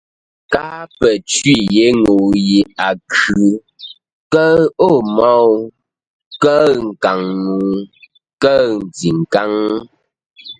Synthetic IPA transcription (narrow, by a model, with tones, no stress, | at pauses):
ka˦pɛ˨t͡ʃɥi˦˨je˨˦ŋo˨ji˨a˨kʰʉ˨˦ | kə˦o˦˨mɔ˦w | kə˦ŋ̩˨ka˨ŋːu˨ | kə˦n̩˨d͡zi˨ŋ˨ka˦ŋ